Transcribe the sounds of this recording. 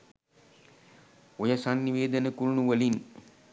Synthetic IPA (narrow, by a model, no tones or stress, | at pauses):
ojəsanːiʋeːd̪ənəkuɾunuʋəlin